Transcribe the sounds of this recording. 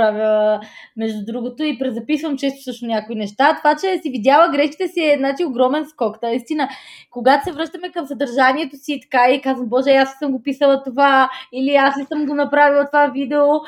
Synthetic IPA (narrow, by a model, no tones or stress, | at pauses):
ɾavi | mɛʒd̪ʊd̪ɾuɡot̪oipɾɛzɐpisvɐmt͡ʃɛst̪o̥fsɤt͡ʃnosnʲakoinɛʃt̪at̪ovat͡ʃɛsividʲjalˠəɡɾɛʃki̥t̪ɛsiɛznat͡ʃioɡɾɔmɛnskɔknɐist̪inəkoɡat̪o̥sɛvɾɤʃt̪əmɛkəmsɐd̪ɐɾʒaniɛt̪osiːt̪ɐ̥kaikazvəmbɔʒɛaslisəmɡopisəlˠɐt̪ovailiaslisəmɡonɐpɾavilˠt̪ovavid̪ɛo